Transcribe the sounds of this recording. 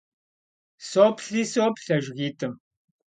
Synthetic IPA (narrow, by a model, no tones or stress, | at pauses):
soːpʰɬiːsoːpɬɐʒɣiːtʰʼɨm